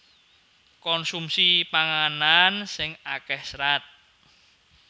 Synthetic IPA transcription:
kɔnsumsipaŋanansɪŋakɛhsɾat̪̚

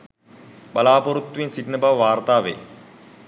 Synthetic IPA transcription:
balaːpoɾut̪ːʋinsiʈnəbaʋəʋaːrt̪aːʋḛː

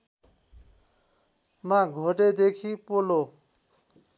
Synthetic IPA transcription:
mãɡʱoʈed̪ekʰipolo

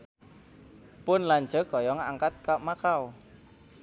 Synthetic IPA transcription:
pʊnlaɲd͡ʒə̤ɡ̥ɔ̤jɔŋaŋkat̪̚kaʔmakaw

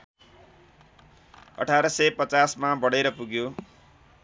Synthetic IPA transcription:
ʌ̰ʈʰaɾʌsʌjpʌt͡sasmabʌɽeɾʌpuɡjo

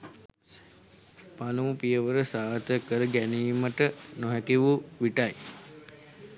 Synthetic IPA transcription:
panuupijəʋəɾəsaːt̪əkəɾəɡæniːməʈənoɦɛkiʋuʋiʈaj

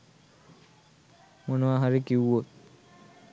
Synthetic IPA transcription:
monoaɦaɾikiwːot̪̚

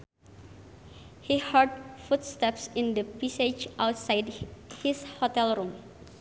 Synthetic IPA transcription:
hihəɹd̚futst̪ɛpsɪ̃ndəpised͡ʒʔawtsajdhishɔtɛlɾũm

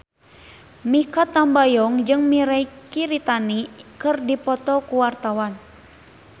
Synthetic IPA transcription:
mikat̪ːambajɔŋd͡ʒɨŋmiɾaikiɾit̪anikɨrdipɔt̪ɔkuwart̪awan

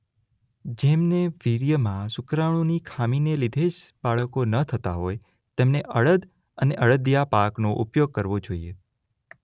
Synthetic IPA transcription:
d͡ʒemneʋiɾjəmãsʊkɾãõnikʰaminelid̪ʱeʃbaɭəkonət̪ʰət̪aɦoj | t̪emneʔəɭəd̪ | əneʔəɭəd̪japaknoʔupjoɡ̚kəɾʋod͡ʒoḭe

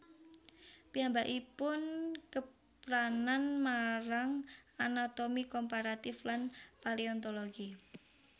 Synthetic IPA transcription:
piambaʔipʊnkə | pɾananmaɾaŋanat̪omikɔmpaɾat̪ɪflanpaliɔnt̪oloɡi

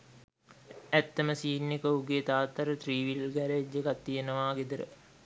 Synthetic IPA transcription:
æt̪ːəməsiːnːekəuɡet̪aːt̪ːɐɾət̪riːʋilɡæɾed͡ʒekat̪ːijenəʋaːɡed̪əɾə̰

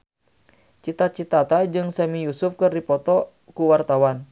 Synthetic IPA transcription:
t͡ʃit̪at͡ʃit̪at̪ad͡ʒɨŋsɛmijusufkɨrdipɔt̪ɔ | kuwart̪awan

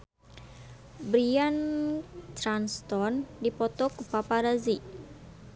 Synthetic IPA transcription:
bɾian | t̪ɾanst̪ɔndipɔt̪ɔkupapaɾazi

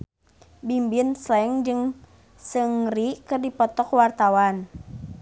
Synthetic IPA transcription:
bimbinslɛŋd͡ʒɨŋ | sɨŋrikɨrdipɔt̪ɔkwart̪awan

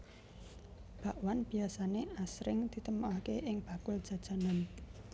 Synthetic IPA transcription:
b̥aʔwanb̥i̤asaneasɾɪŋd̪̥i̤t̪əmuakeʔɪŋb̥a̤kʊld̥ʒ̥ä̤d̥ʒ̥a̤nan

